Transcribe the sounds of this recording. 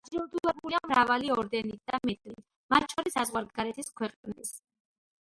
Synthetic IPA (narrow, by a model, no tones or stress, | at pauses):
aɾɛud̪ulɛbuliamɾavaliɔɾd̪ɛnit̪̚ʰd̪̥amɛt̪ʼlit̪ | mat̪̚ʰt͡ʃʰɔɾisːazʁwaɾɡɡaɾɛt̪ʰiskʰwɛqʼnis